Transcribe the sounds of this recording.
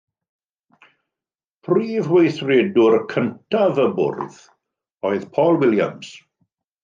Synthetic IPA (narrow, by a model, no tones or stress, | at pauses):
pʰriːvwejθrɛdʊɾkʰəntʰavəbʊ̰rð̥ | ɔɨðpʰɔːlˠwɪlja̰ms